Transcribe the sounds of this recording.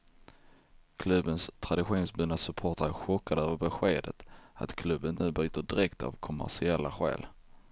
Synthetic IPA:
kʰlɵbənst̪ʰɾad̪ɪɧuːnsbʉːnasɵpʰoːʈaɾəɧɔkːad̪əøːvəɾbɛɧeːd̪ət̪a̰t̪kʰlɵbːənːʉ̟ːbyːt̪əɖɪɾɛkt̪ʰa̰vkʰɔmæ̰ʂɪɛlːaɧɛ̰ːl

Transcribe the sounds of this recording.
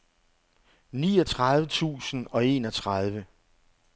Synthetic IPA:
nḭːɒt͡sʰʁɑðˠʋət͡sʰṵːsn̩ɒ̽e̝̰nɒ̽t͡sʰʁɑðˠʋə

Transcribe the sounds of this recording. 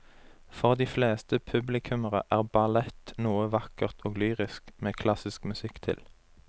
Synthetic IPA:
fɔʁd̪iːfleːst̪əpʰʉblɪkʰʉməʁə̰ʔæːʁbɑlɛt̪nuːəʋɑkəʁt̪ʰoːɡlyːʁɪskmeːkʰlɑsɪskmʉsɪkt̪ʰɪ̰l

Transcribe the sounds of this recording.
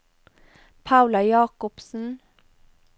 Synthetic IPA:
pʰaʉlɑjɑːkʊpsn̩

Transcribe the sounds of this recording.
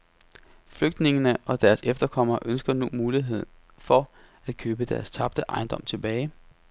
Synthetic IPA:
fløɡ̥̚d̥ne̝ŋənəʔɒ̽d̥æɐsefd̥ɐkʰɒ̽m̰ɐːʔønsɡ̥ɐnumuːliɦe̝ð̞̰ˠn | fɒ̽ | æd̥̚kʰøːb̥əd̥æɐst͡sʰɑ̈b̥̚d̥əʔɑ̈ɪnd̥ɒ̽m̰t͡sʰe̝b̥ɛːɪ

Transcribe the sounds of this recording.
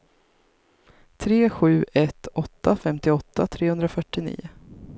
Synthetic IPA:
t̪ʰɾeːɧʉ̟ːɛt̪ʰɔt̪ːafɛmt̪ɪɔt̪ːat̪ʰɾeːhɵnd̪ɾafœʈːɪnḭːʊ

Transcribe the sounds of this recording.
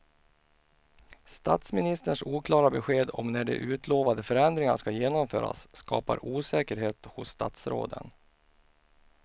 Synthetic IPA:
st̪at̪smɪnɪst̪əʂuːkʰlɑːɾabɛɧeːd̪ɔmnæɖɛ̰ʔʉ̟ːt̪ʰloːvand̪əfœɾɛnd̪ɾɪŋa̰ʂkajeːnɔmføːɾa̰sːkɑːpa̰ɾuːsɛːkəɾɦeːt̪hʊsːt̪a̰t̪sɾo̰ːd̪ə̰n

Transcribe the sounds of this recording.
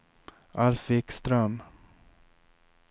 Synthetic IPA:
ʔalfɪkst̪ɾam

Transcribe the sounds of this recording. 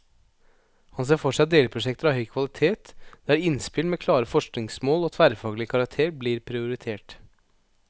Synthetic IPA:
hɑns̬eːfɔʂæɪd̪eːləpʰɾʊʂɛk̚t̪əɾɑʋhœʏkʰʋɑlɪt̪ʰeːt̪d̪̥æɾɪnspɪlmɛkʰlɑːɾəfɔʂknɪŋsmoːlɔt̪ʰʋæɾfɑːɡlɪkʰɑɾɑk̚t̪ʰeːɾbliːɾpʰɾɪʊɾɪt̪ʰeːʈ

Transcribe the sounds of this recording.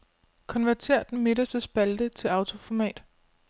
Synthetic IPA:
kʰɒ̽nʋæɐt͡sʰe̝̰ɐ̰d̥n̩me̝d̥ɐsd̥əsb̥æld̥ət͡sʰe̝lɑ̈ʊt͡sʰo̝fɒmɛ̰ːd̥

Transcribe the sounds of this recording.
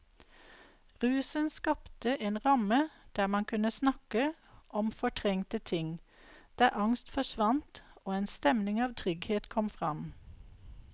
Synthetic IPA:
ʁʉːsənskɑpt̪əʔeːnʁɑməd̪̥æːmɑnkʰʉnəsnɑkə | ʔɔmfɔʈʰʁɛŋt̪ət̪ʰɪŋd̪̥æːʔɑŋst̪fɔʃʋɑnt̪oːeːnst̪ɛmnɪŋɑːʋt̪ʰʁʏɡheːt̪kʰɔmfʁɑm

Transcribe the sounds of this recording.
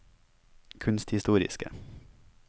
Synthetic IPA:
kʰʉnst̪hɪst̪uːɾɪ̰skə̰

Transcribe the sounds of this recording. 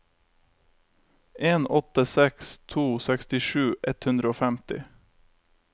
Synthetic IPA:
ʔeːnɔt̪əsɛkst̪ʰuːsɛkst̪ɪʃʉːʔɛt̪hʉnd̪ɾəoːfæmt̪ɪ

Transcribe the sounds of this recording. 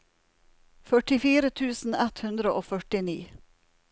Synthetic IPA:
fœʈɪfiːɾət̪ʰʉːsn̩ɛt̪hʉnd̪ɾəʔoːfœʈɪnḭː

